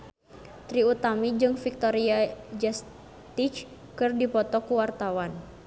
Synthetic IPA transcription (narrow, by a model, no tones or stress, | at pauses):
t̪ɾiut̪amid͡ʒɨŋfik̚t̪ɔɾiad͡ʒas | t̪it͡ʃ | kɨrdipɔt̪ɔkuwart̪awan